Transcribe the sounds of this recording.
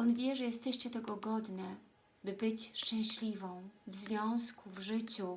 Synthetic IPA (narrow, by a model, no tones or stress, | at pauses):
ʔɔnvʲjɛʐɛjɛst̪ɛɕt͡ɕɛt̪ɛɡɔɡɔd̪nɘ | bɘbɘt͡ɕʂt͡ʂɛ̃w̃ɕlʲivɔ̃w̃vzvʲjɔ̃w̃skuvʐɘt͡ɕu